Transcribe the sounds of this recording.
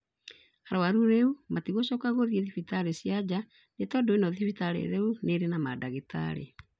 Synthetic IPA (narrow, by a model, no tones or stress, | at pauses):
haɾawaɾuɾeumatiɣoɕɔːkaɣoðieðifitaɾesjad͡ʑa | netɔdoenɔðifitaɾḛɾeuneɾenamadaɣeta̰ɾḛ